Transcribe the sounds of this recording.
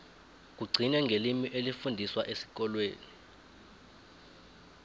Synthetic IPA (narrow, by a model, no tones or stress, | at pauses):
k̬uɡ͡ǀʱinɛŋʱelimiʔelifundʱiswaʔesi̥k̬ɔlweːni